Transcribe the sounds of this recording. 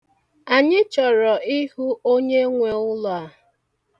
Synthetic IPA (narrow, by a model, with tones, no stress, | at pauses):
a˨ɲɪ˦t͡ʃɔ˨ɾɔ˨i˦ɦu˦o˦ɲe˦ŋʷe˨ʊ˦lɔ˨a˨